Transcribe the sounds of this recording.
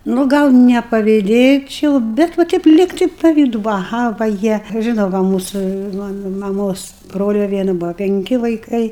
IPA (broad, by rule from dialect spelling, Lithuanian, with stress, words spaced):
nʊ ˈɡɐlˠ nʲɛpɐʋʲɪˈdʲeːt͡ʃʲɛʊ bʲɛt ʋɐ ˈtʲɛɪp ˈlʲiːktɐɪ pɐˈʋʲiːdʊ ʋɐˈɣɐ ʋɐ ˈjiɛ ˈʒʲɪnɐʊ ʋɐ ˈmuːsʊ ʋɐ mɐˈmoːs ˈbroːlʲɛ ˈʋʲiɛnɐ ˈbuɔ pʲɛŋʲˈkʲɪ ʋɐɪˈkɐɪ